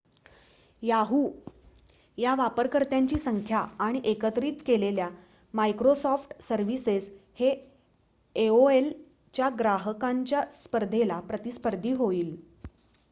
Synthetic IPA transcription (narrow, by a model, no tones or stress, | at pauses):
jaɦuː | jaʋapəɾkəɾt̪jaɲt͡ɕiːsəŋkʰjaːɽ̃iʔekət̪ɾiːt̪kelelja | maikɾosɔfʈsəɾʋiseshe | eoel | t͡ɕjaɡɾaɦəkaɲt͡ɕjaspəɾd̪ʱelapɾət̪ispəɾd̪ʱiːɦoiːl